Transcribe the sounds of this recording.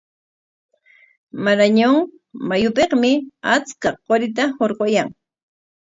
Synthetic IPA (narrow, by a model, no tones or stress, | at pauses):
maɾaɲoŋ | majʊpeqmɪat͡skaqoɾɪt̪̬ahoɾqojaŋ